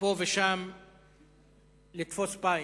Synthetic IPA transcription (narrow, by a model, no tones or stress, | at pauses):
oveʃam | lit̪fospa